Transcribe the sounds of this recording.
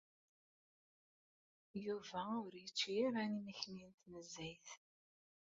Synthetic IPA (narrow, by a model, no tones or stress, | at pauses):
juvæʊɾjit͡ʃːiːɾæniməçnint̪nəzːæjθ